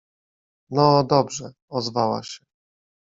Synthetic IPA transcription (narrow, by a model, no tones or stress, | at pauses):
nɔd̪ɔbʐɛ | ɔzvawa̰ɕɛ